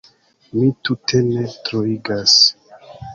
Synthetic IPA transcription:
mitute̞ne̞tɾoiɡas

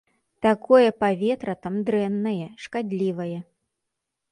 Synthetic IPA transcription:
t̪akɔjɛpavʲɛt̪ɾɐt̪amd̪ɾɛnːɐjɛʂkad̪ʲlʲivɐjɛ

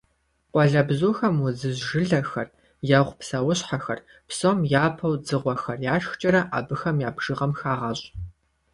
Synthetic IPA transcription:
qʷʼɔɮɐbzuːxɐmwʊzɨzʒɨɮɐxɐr | jɐʁʷpsɐwʊɕħaxɐ̰r | psomjaːpʰɐwd͡zɨʁʷɔxɐrjaːʂxt͡ʃʼɐɾɐʔa̰ːbɨxɐmjaːbʒ̥ɨʁɐmxaːʁɐɕʼ

